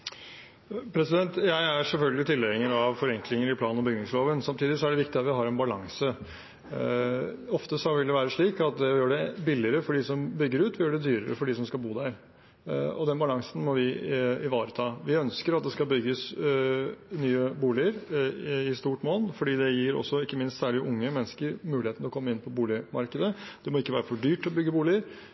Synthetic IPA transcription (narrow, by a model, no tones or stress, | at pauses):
pʰɾɛsɪd̪ɛnt̪jæɪæʂɛlfœlɡəlɪt̪ʰɪlːɛɪŋəɾɑʋfɔɾɛŋklɪŋəɾɪpʰlɑːnɔbʏɡnɪŋsloːʋənsɑmt̪ʰiːd̪ɪsɔæɖɛʋɪkt̪ɪɑt̪ʋɪɦɑɾɛnbɑlɑŋsə | ɔft̪əsɔʋɪld̪ɛʋæːɾəʂɭiːkɑt̪̚d̪ɛjøːɖɛbɪlːɪəɾəfɔɖiːsɔmbʏɡːəɾʉːt̪ʋɪjøːɖɛd̪yːɾəɾə̰fɔɖiːsɔmskɑlbuːd̪æɾ | ɔ̰d̪ɛnbɑlɑŋsn̩mɔʋɪɪʋɑːɾət̪ʰɑːʋɪœnskəɾɑt̪d̪ɛskɑbʏɡːəs | nyːəbuːlɪəɾɪst̪uːʈmoːlnfɔɖiːd̪ɛjiɾɔ̰sːɔɪkːəmɪnst̪sæːɭɪʔʊŋːəmɛnːskəɾmʉːlɪheːt̪nɔkʰɔmːəɪnːpʰɔbuːlɪmɑ̰ɾkəd̪əd̪̥ɛmɔɪkːəʋæːɾəfɔɖyːʈ̪ːɔbʏɡːəbuːlɪəɾ